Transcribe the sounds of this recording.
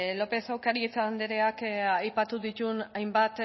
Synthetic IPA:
lo̞pe̞sawkaɾiet͡sand̪eɾe̞akajpat̪uðit̪unajmbat̪

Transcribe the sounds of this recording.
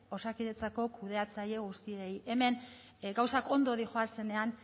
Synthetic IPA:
o̞sakiɾet͡sako̞kuðe̞at͡saʎe̞ɣ̞ust̪ieje̞me̞n | ɡawsako̞nd̪o̞ðixo̞ase̞ne̞an

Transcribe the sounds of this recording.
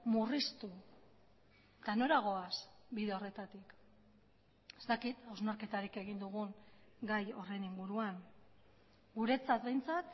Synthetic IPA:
murist̪u | t̪ano̞ɾaɣ̞o̞asbiðe̞o̞re̞t̪at̪ik | est̪akit̪awznaɾke̞t̪aɾike̞ɣ̞ind̪uɣuŋɡajo̞re̞niŋɡuɾuaŋ | ɡuɾe̞t͡sat̪be̞jnt͡sat̪

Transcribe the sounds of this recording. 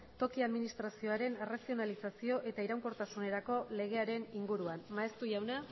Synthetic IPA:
t̪o̞kiaðminist̪ɾasio̞aɾe̞nerasio̞nalisasio̞ʔe̞t̪aiɾawŋko̞ɾt̪asune̞ɾako̞le̞ɣ̞e̞aɾe̞niŋɡuɾuanmae̞st̪uʝawna

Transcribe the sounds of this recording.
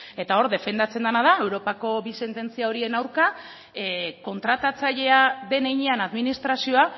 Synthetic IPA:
e̞t̪ao̞ɾðe̞fe̞nd̪at͡se̞nd̪anað̞ae̞wɾo̞pako̞bise̞nt̪e̞nt͡siao̞ɾie̞nawɾka | ko̞nt̪ɾat̪at͡saʎe̞aðe̞nejɲeanaðminist̪ɾasio̞a

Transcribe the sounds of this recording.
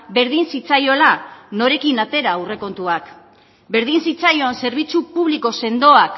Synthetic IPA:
be̞ɾðinsit͡sajo̞lano̞ɾe̞kinat̪e̞ɾaːwre̞ko̞nt̪uak | be̞ɾð̞insit͡sajo̞anse̞ɾβ̞it͡supuβ̞liko̞se̞nd̪o̞ak

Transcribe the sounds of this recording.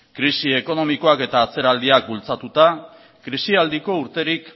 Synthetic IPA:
kɾisie̞ko̞no̞miko̞ake̞t̪aːt͡se̞ɾald̪iak̚bult͡sat̪ut̪a | kɾisiald̪iko̞uɾt̪e̞ɾik

